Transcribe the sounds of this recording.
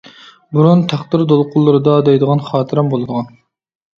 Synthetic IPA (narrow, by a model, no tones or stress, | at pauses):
buɾunt̪ʰæχd̪ɨɾd̪olˠqʰʊlˠːɨɾɨd̪ɑd̪ɛjd̪əʁɑnχɑːt̪ʰɨɾɛmbolˠɨd̪əʁɑn